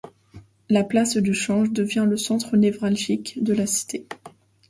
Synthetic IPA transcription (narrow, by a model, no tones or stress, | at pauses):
laplasd̪yʃɑ̃ʒd̪əvjɛ̃ləsɑ̃t̪χənevʁalʒikd̪əlasi̥t̪e